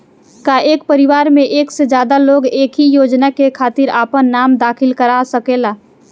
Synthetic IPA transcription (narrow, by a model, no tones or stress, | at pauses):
kaʔeːk̚pəɾɪʋaːɾmẽʔeːksed͡ʒjaːd̪aloːɡeːkɦijoːd͡ʒnakekʰaːt̪ɪɾaːpənːaːmd̪aːkʰɪlkəɾaːsɐkeːlaː